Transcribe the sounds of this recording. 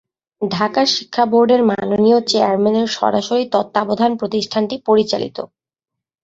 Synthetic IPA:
ɖʱakaʃi̥kʰːaboɾɖeɾmanoniot͡ɕeaɾmeneɾʃɔ̰ɾa̰ʃoɾit̪ɔt̪ːabod̪ʱanpɾot̪iʃʈʰanʈipoɾit͡ɕa̰lḭt̪o̰

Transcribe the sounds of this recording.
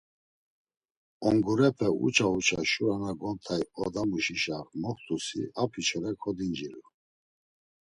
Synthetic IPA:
ɔŋɡuɾɛpʰɛṵt͡ʃʰaut͡ʃʰaʃuanaɡɔnt̪ʰajɔd̪amuʃiʃaɾmɔχt̪ʰʼusḭapʰit͡ʃʰɔɾɛkʰɔd̪ind͡ʒiɾu

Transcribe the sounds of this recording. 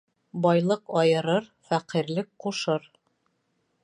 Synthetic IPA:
bɒjlˠɤqɒjɤ̆ɾɤɾfæqiɾlɘk̚quʃɤɾ

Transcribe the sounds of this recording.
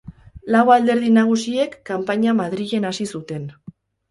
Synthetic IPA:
lawald̪e̞ɾð̞inaɣ̞usie̞kːampaɲamaðɾiɣe̞nasisut̪e̞n

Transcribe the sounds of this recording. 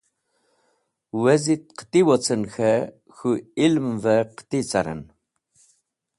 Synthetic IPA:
wɛzit̪̚qʰə̥t̪ʼiwɔt͡sʰənxɛ | xuilmvɛqə̥t̪ʼit͡sʼaɾə̰n

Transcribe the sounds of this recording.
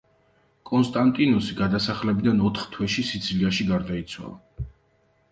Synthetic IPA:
kʼɔnst̪ʼant̪ʼinɔsiɡad̪asaχlɛbid̪anɔt̪ʰχt̪ʰwɛʃisid̪zʰiliaʃiɡaɾd̪ait̪sʰwa̰lˠa

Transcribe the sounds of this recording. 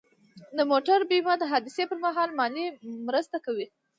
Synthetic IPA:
d̪əmoʈaɾbimad̪əɦɑd̪isepəɾmaɦɑlmɑnimɾəst̪akawi

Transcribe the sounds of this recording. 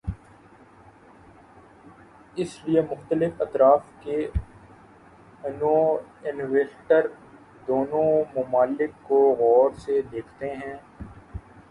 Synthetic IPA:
ɪsliemʊxt̪əlɪfɐt̪ɾaːfke | ɐnoɪnʋeːsʈəɾ | d̪oːnõmʊmaːlɪkːoɣɔːɾsed̪eːkʰt̪eɦɛ̃ː

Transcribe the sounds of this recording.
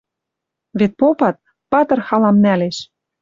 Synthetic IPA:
βet̪̚popɑt̪̚ | pɑt̪ɤ̆rxɑlɑmnæleʃ

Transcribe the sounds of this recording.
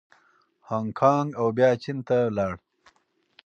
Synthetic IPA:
haːŋkʰɑŋɡawbjaːt͡ʃint̪alaːɽ

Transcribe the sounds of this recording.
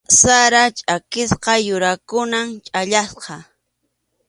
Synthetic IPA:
saɾat͡ʃʼakɪsqɑjʊɾakʊnamt͡ʃʼaʎasqɑ

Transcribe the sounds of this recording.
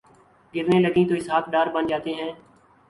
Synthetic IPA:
ɡɪɾneːləɡĩːt̪oːɪsɦaːt̪̚ʰɖaːɾbənd͡ʒaːt̪eːɦɛ̃ː

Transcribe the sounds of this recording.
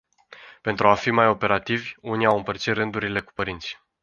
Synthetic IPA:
pe̞nt̪ɾuafimajo̞pe̞ɾat̪ivʲuniawɨmpərt̪sit̪rɨnd̪uɾile̞ku̥pəɾint̪sʲi̥

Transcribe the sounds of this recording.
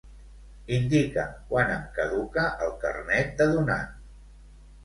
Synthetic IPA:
ind̪ikə̰kwanəmkəðukəʔəlˠkə̰rnɛt̪̚d̪əðuna̰

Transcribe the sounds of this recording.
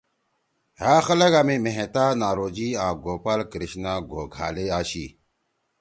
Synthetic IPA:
ɦaːxɐlɐɡɐmimeɦẽt̪aːnaːɾoːd͡ʑiãːɡoːpɐlkɾiɕnaɡʱo̰ːɡʱa̰ːleaːɕi

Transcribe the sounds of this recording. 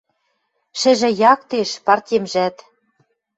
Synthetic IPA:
ʃɘ̆ʒɘ̆jɑkt̪eʃpɑrt̪ʲemʒæt̪

